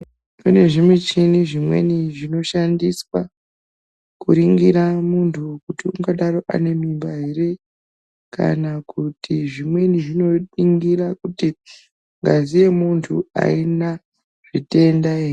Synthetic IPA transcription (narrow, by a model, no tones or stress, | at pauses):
une̞ʐimwet͡ʃiniʐimwe̞̰niʐino̞ʃandiswa | kuɾiŋɡiɾamuntʰukutiuŋɡaɗaɾo̞ʔa̰ne̞mimbaɦeɾe̞ | ka̰nakutiʐimwe̞niʐino̞iŋɡirakuti | ŋɡa̰zije̞muntʰua̰ina | ʐ̥ite̞ndaei